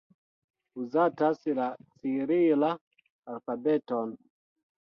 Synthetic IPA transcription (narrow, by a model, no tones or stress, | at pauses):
uzatasilat͡siɾila | alfabeton